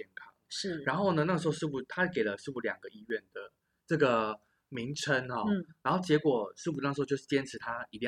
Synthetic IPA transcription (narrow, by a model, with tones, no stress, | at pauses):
ɛ˥˩nkʰɑ˦˥ŋʂɻ̩˥˩ɻa˧˦nxo˥˩ʊnə˧na˥˩ʂ̩˧˥xo˥˧ʂɻ̩˥˩u˨˩t̪ʰa˥˩ke˨˩ɪlə˦ʂ̩˥˧pu˥˩ljɑ̰˨˩ŋɡə˩i˥˧ɥɛ˥˩nd̪ə˩ | ʈ͡ʂɤ˥˩ɡə˩ | mi˧˥ŋʈ͡ʂʰə˦nxɔ˥˧˥ɻɻa˧˦nxo˥˩t͡ɕjɛ˧˥kwɔ˨˩ʂɻ̩˥˩pu˧na˥˩ʂ̩˧˥˧jo˥˧ʂ̩˥˩t͡ɕjɛ˥nʈ͡ʂʰɻ̩˧˥t̪ʰa˥i˧˥t̪i˥˧